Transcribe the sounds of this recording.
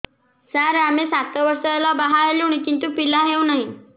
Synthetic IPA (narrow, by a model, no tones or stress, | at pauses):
səɾamesat̪ɔʋəɾsɔelɔbaɦaljuɽ̃ikint̪upilaɦewnaɦi